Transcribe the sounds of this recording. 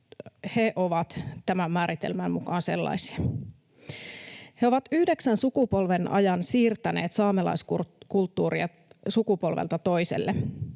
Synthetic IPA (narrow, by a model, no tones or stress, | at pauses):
heʔoʋɑt̪t̪æmæmːæːɾit̪e̞̰lmæmmukɑːnse̞lːɑ̰isi̥ɑ | heoʋɑt̪yhdeksænsukupo̞lʋe̞nʔɑ̰jɑnsiːrt̪æne̞̰ːt̪sɑːmelɑ̰jskukult̪ːuːɾiɑ | sukupo̞lʋḛlt̪ɑt̪o̞jse̞̰lːe